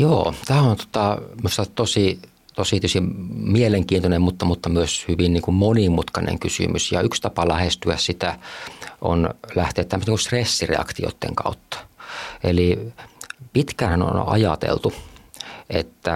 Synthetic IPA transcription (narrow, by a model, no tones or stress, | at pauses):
joːt̪æːont̪o̥t̪ɑmyst̪ɑt̪t̪osi | t̪osit̪yøsimieleŋkiːnt̪onemmut̪ːɑmut̪ːɑmyøshyʋinniːŋkummonimut̪kɑnḛŋkysy̰mysjɑ̰ykst̪ɑpɑlæhest̪yæssit̪æʔo̰nlæht̪eːt̪ːæmːøst̪niŋkust̪resːirḛɑ̰kt̪io̰t̪ːḛŋkɑ̰ut̪ːɑ̥eli | pit̪kæːnhæno̰n̰ʔɑ̰jɑ̰t̪ḛlt̪u | ʔet̪ːæ